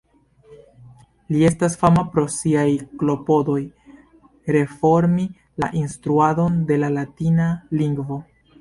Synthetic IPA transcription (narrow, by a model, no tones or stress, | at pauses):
lie̞stasfamapɾo̞siajklo̞po̞do̞j | ɾe̞fo̞ɾmi | laʔinstɾuado̞nde̞lalatinaliŋɡvo̞